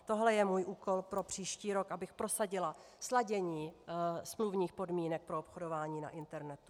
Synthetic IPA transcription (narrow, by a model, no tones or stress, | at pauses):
t̪o̞ɦlɛjɛmuːjʔuːko̞lpɾo̞pr̝̥iːʃciːɾo̞kʔabɪxpɾo̞saɟɪla | slaɟɛɲiːsmluvɲiːxpo̞dmiːnɛk̚pɾo̞opxodo̞vaːɲiːna̰ʔɪnt̪ɛɾnɛt̪u̥